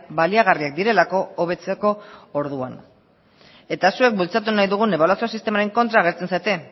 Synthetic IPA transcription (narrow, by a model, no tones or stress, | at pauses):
baliaɣ̞ariak̚d̪iɾe̞lako̞oβ̞e̞t͡seko̞oɾðua̰n | e̞t̪asue̞k̚bult͡sat̪̬unajðuɣ̞une̞β̞aluwasiosist̪e̞maɾe̞ŋko̞nt̪ɾaːɣ̞e̞ɾt͡se̞nsajt̪e̞